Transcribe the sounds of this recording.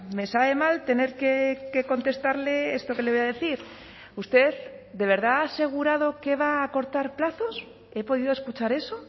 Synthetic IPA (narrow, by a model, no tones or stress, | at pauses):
me̞saβe̞malt̪e̞ne̞ɾkeke̞ko̞nt̪e̞st̪aɾle̞est̪o̞ke̞leojaðe̞θiɾ | ust̪e̞ðd̪e̞β̞e̞ɾð̞aase̞ɣ̞uɾað̞o̞ke̞β̞aːko̞ɾt̪aɾplaθo̞s | e̞po̞ð̞iðoeskut͡ʃaɾe̞so